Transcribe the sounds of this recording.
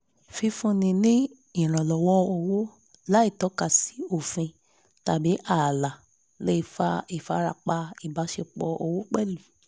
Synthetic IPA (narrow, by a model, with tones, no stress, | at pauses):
fi˧fũ˧nĩ˧nĩ˦ | ĩ˦˨ɾ̃ã˨lɔ˨wɔ˦o˧wo˦ | la˦i˦˨tɔ˨˦ka˦˨si̥˨˦o˦˨fĩ˧ | ta˨bi˨˦ʔa˦˨la˨ | le˦i˧fa˧i˦˨fa˧ɾa̰˧k͡pa˧i˨ba˨˦ʃe˧k͡pɔ˧o˧wo˦k͡pɛ˦˨lu˨